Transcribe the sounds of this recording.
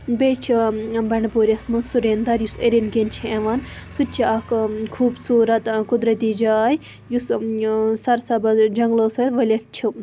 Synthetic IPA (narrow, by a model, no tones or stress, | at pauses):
bet͡ʃʰibɐɳpuːɾʲɐsmɐnsuɾeːnd̪ɐɾjuseɾinɡent͡ʃʰieʋansutt͡ʃʰiɐkkʰuːbsuːɾɐt̪kud̪ɾɐt̪id͡ʒaːj | jus | sɐɾsɐbɐd͡ʒɐŋɡloːsuɐt̪ʋɐlʲɐt̪t͡ʃʰi